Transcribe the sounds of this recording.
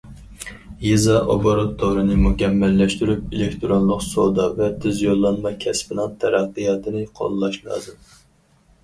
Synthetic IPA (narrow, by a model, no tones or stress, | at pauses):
jezɑʔoboɾot̪ʰːowɾɨnɨmukʲʰɛmːɛlːɛʃt̪yɾypelɪkʲt̪ʰɾonlˠʊqsod̪ɑvɛt̪ʰɪzjolˠːɑnmɑkʲʰɛspɪnɨŋt̪ʰɛɾɑqːɨjɑːt̪ʰɨnɨqʰo̰lˠlˠɑʃlˠɑ̰ːzɨm